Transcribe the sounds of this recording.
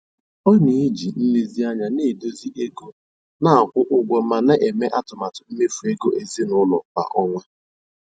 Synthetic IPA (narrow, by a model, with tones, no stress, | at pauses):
ɔ˦ni˨i˦d͡ʒi˨n̩˦le˦zi˦a˦ɲa˨ne˦˨do˦zi˦ʔe˦ɡo˦ | na˦a˨kʷʊ˦ʔʊ˦ɡʷɔ˨ma˨na˦ʔe˨me˦ʔa˦tʊ˨ma˨tʊ˨m̩˦me˦fu˨e˦ɡo˦ʔe˨zi˦nʊ˦lɔ̰˨ba̰˨ʔɔ˦ŋʷe˦